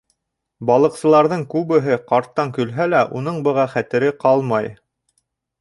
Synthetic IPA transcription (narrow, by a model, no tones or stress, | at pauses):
bɑlˠɤ̆qsɤ̆lˠɑɾðɤɴkʉβɘ̆ɦɘqɑɾt̪ːɑŋkɵ̆lɦælæʔunɤɴbɤ̆ʁɑχæt̪ɘ̆ɾɘqɑlˠmɑj